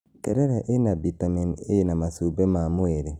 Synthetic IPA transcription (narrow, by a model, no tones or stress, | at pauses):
tḛɾeɾaʔenabitaminejenamasubemamueɾe